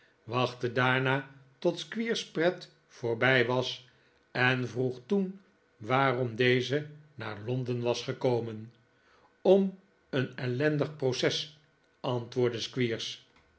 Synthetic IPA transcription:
ʋɑχtədaːɹnaːtɔtskʋiːɹsprɛt | foːɹbɛjʋɑs | ɛnvruχtun | ʋaːrɔmdejzəna̰ːɹlɔndənʋɑsχəkowmən | ɔm | ənɛlɛndəχprosɛs | ʔɑntʋʊːɹdəskʋiːɹs

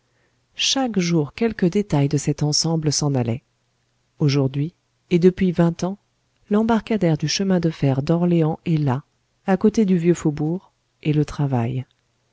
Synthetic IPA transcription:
ʃakʒuʁkʲɛlkəd̪et̪ajd̪əsɛt̪ɑ̃sɑ̃bləsɑ̃nalɛ | oʒuʁd̪ɥi | ed̪əpɥivɛ̃t̪ɑ̃ | lɑ̃baʁkad̪ɛʁd̪yʃəmɛ̃d̪əfɛʁd̪ɔʁleɑ̃ɛla | akot̪ed̪yvjøfobuʁ | elət̪χavaj

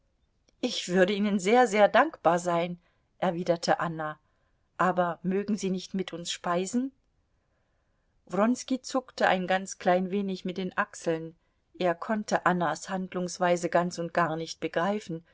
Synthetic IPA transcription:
ʔɪçv̥ʏɐɾəiːnənzeːɐzeːɐdaŋkb̥aːɐzaɪn | ʔɛɐviːdɐtʰəʔana | ʔaːbɐmøːɡŋ̩ziːnɪçtmɪtʰʔʊnsʃpaɪzn̩ | vʁɔnskit͡sʊktəʔa̰ɪnɡant͡skl̥aɪnveːnɪçmɪt̚d̥eːnʔaksl̩n | ʔeːɐkʰɔntʰəʔanashandlʊŋsv̥aɪzəɡant͡sʊnt̚ɡ̥aːɐnɪçt̚b̥əɡʁaɪfn̩

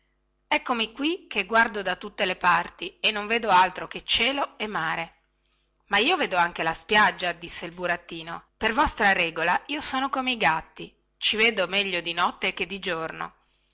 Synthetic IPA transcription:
ɛkːomikwikːeɡward̪od̪at̪ut̪ːelepart̪ienːoɱveːd̪oalt̪ɾoket͡ʃːɛːloemːaːɾe | maiːoveːd̪oaŋkelaspjad͡ʒːad̪isːeilbuɾat̪ːiːnopervɔst̪ɾaɾɛːɡolaiːosoːnokomeiɡat̪ːi | t͡ʃiveːd̪omɛʎːod̪inɔt̪ːek̟ed̪ːid͡ʒorno̰

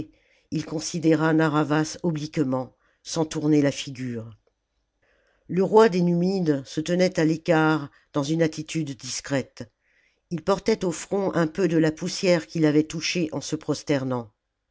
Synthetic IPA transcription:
ilkɔ̃sid̪eʁanaʁavasɔblikmɑ̃ | sɑ̃t̪uʁnelafiɡʲyːʁ | ləʁwad̪enymid̪sət̪ənɛt̪alekaʁ | d̪̥ɑ̃zynat̪it̪ʰyd̪ːiskχɛt̪ | ilpɔʁt̪ɛt̪ofχɔ̃ʔɛ̃pød̪əlapusjɛʁkʲilavɛt̪uʃeʔɑ̃səpχɔst̪ɛʁnɑ̃

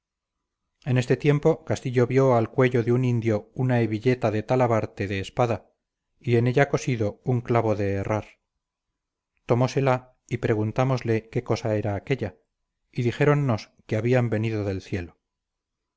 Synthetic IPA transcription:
e̞ne̞st̪e̞t̪je̞mpo̞kast̪iʎo̞βjo̞alkwe̞ʎo̞ðeunind̪jo̞unaeβiʎe̞t̪aðe̞t̪alaβaɾt̪eðe̞ːspaða | ie̞ne̞ʎako̞siðo̞uŋklaβo̞ðe̞ːrʔaɾ | t̪o̞mo̞se̞la | ipɾe̞ɣunt̪amo̞zle̞ke̞ko̞sae̞ɾaːke̞ʎa | iðixe̞ɾo̞nːo̞s | keaβiambe̞niðo̞ðe̞lθje̞lo

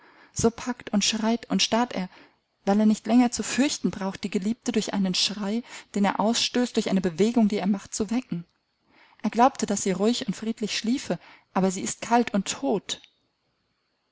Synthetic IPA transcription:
z̥oːpʰaktʊntʃʁ̥aɪtʊntʃtaɐtʔḛːɐ | vaɪleːɐnɪçtlɛŋɐt͡sufʏɐçtn̩bʁaʊxt̚d̥iːɡəliːp̚tədʊɐçʔa̰ɪnənʃʁ̥aɪd̥eːneːɐʔaʊsʃtøːstd̥ʊɐçʔaɪnəbəveːɡʊŋdiːeːɐmaχt̚t͡suvɛkŋ̩ | ʔeːɐɡlaʊp̚tʰəd̥asz̥iːʁʊɪçʊntfʁ̥iːtʰlɪçʃliːfəʔaːbɐziːɪst̚kʰaltʰʊntʰːoːt

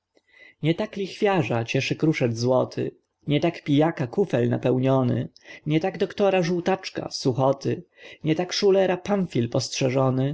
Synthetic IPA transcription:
ɲɛt̪aklʲixfʲjaʐat͡ɕɛʂɘkɾuʂɛdzwɔt̪ʰɘ̰ | ɲɛt̪akpʲijakakufɛlna̰pɛwɲɔnɘ̰ɲɛt̪aɡd̪ɔkt̪ɔɾaʐuwt̪at͡ʂka̰suxɔt̪ʰɘ | ɲɛt̪akʂulɛɾapanfʲilpɔstʂɛʐɔnɘ

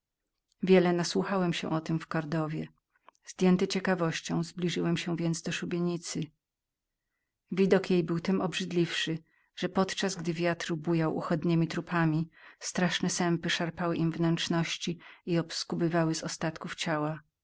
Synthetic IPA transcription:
vʲjɛlɛnaswuxawɛmɕɛ̰ʔɔt̪ɘmfkaɾd̪ɔvʲjɛ | zd̪ʲjɛnt̪ɘt͡ɕɛkavɔɕt͡ɕɔ̃w̃zblʲiʐɘwɛmɕɛvʲjɛnd̪zd̪ɔʂubʲjeɲit̪sɘ | vʲid̪ɔkjejbɘwt̪ɛmɔbʐɘd̪lʲifʂɘ | ʐ̥ɛpɔt̪t͡ʂazɡd̪ɘvʲjat̪ɾbujawʔṵxɔd̪ɲɛmʲit̪ɾupʰamʲist̪ɾaʂnɛsɛmpɘʂaɾpawɘʔimvnɛnt͡ʂnɔɕt͡ɕiiɔpskubɘvawɘzɔst̪at̪kuft͡ɕawa

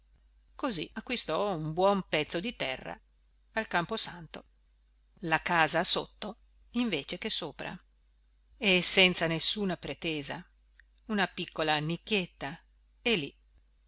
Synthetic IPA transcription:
kozḭakːwist̪ɔumbwɔmpɛt̪sːod̪it̪ɛrːa̰ː | lkamposant̪o | lakaːzaso̰t̪ːo | iɱveːt͡ʃekesːoːpɾa̰ | esɛnt̪sanesːuːnapɾet̪eːza̰ | unapikːolanikːet̪ːa | elḭ

